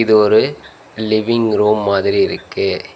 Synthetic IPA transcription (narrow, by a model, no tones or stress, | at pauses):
ɪðɯɔɾɯ | lɪʋɪŋɾoːmːaːðɪɾiɪɾɯkːɯ